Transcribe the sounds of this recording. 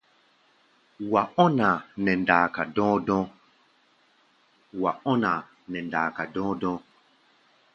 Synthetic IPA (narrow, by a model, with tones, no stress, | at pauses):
wa˨ɔ˦na˨nɛ˨ndaː˨ka˨dɔ̃ː˦dɔ̃˦ | wa˨ɔ˦nã˨ | nɛ˨ndaː˨ka˨dɔ̃˦dɔ̃ː˦